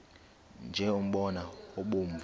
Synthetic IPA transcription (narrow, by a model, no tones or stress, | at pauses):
nd͡ʒʱɛom̩ɓɔnaoɓom̩b